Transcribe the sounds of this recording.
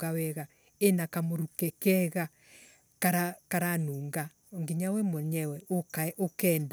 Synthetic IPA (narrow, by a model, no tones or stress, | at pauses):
ɡawɛɣa | enakamoɾukɛkɛɣa | kaɾakaɾanuːŋɡa | oŋɡiɲawɛmoɲɛwɛokʔokɛːnd